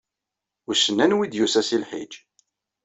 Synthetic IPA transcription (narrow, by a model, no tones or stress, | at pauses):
ʊɾsənːænwid̪jusæsilħḭd͡ʒ